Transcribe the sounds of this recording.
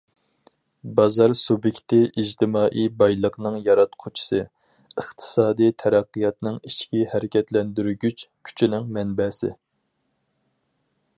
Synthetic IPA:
bɑzɑɾsubjɪkʲt̪ɪʔid͡ʒt̪ɪmɑːʔibɑjlˠəqnɨŋjɑɾɑt̪qʰot͡ʃʰi̥sɨ | əχt̪ʰɨ̥sɑːd̪ijt̪ʰɛɾæqːɨjɑt̪nɨŋit͡ʃkʲihæɾɪkʲʰɛt̪lɛnd̪yɾyɡʲyt͡ʃkʲʰy̥t͡ʃʰinɪŋmɛnbɛːsɪ̰

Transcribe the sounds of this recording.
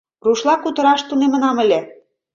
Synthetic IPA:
ruʃlɑkut̪ɤ̆ɾɑʃt̪unemə̆nɑmə̆lʲe

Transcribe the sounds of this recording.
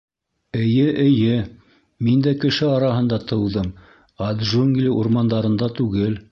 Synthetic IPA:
ɘ̆jɘʔɘ̆jɘ | mind̪ækɘ̆ʃɘɑɾɑɦɤ̆nd̪ɑt̪ʰɤ̆wðɤm | ad̪ʒuŋɡlʲiʔuɾmɑnd̪ɑɾɤ̆nd̪ɑt̪ʉɡɘl

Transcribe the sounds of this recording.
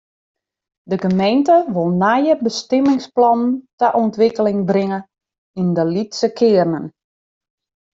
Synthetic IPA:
dəɡəmejntəʋolˠnajəbəstɪmɪŋsplɔnntəʔɔntʋɪkəlɪŋbrɪŋə | indəlitsəkʰɪːərnən

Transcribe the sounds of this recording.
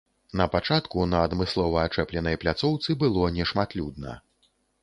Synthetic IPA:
nɐpat͡ʂat̪kunɐːd̪mɨslˠɔvɐat͡ʂɛplʲɛnɐjplʲat̪sɔwt̪sɨbɨlˠɔnʲɛʂmat̪lʲud̪nɐ̰

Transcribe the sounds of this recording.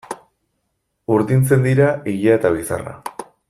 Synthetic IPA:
uɾðint͡se̞nd̪iɾaiʎae̞t̪aβ̞isa̰ra̰

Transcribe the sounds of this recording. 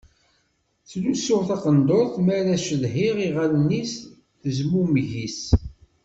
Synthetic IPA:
θlusːʊʁθɑqənd̪oɾθmæɾæʃəðɦiʁiʁalnːis | θəzmumʝis

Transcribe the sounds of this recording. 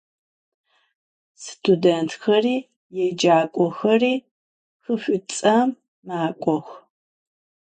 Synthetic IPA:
stʰudentʰxɐriː | jɛd͡ʒaːkʷʼɔxɐriː | xɨɕʷʊt͡sʼɐmː | aːkʷʼɔx

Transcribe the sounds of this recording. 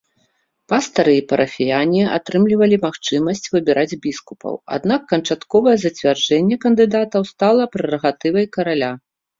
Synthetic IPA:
past̪ɐɾɨipɐɾʔɐfʲijanʲia̰t̪ɾɨmlʲivɐlʲimaxt͡ʂɨmɐsʲt͡sʲvɨbʲɛɾʔad͡zʲbʲiskupɐ̰wa̰d̪nakːɐnt͡ʂat̪kɔvɐjɛzɐt͡sʲvʲard͡ʐɛnʲːɛkɐnd̪ɨd̪at̪ɐwst̪alˠɐpɾɛrɐɣat̪ɨvɐjkɐɾalʲa

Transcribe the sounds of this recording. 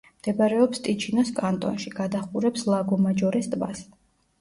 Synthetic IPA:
md̪̥ɛbaɾɛɔpst̪ʼit͡ʃʰinɔskʼant̪ʼɔ̰nʃiɡ̥ad̪aχuɾɛpslˠaɡɔmad͡ʒɔɾɛst̪ʼva̰s

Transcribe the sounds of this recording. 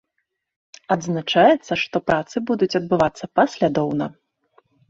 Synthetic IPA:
ɐd̪znat͡ʂajɛt̪sːɐʂt̪ɔpɾat̪sɨbud̪ut͡sʲɐd̪̚bɨvat̪sːɐpasʲlʲad̪ɔwnɐ

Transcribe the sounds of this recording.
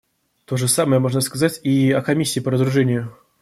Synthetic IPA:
t̪o̞ʐɨsaməjəmo̞ʐnəskɐzatʲiɐkɐmʲisʲːɪːpəɾəd̪ɾʊʐɛnʲɪjʊ

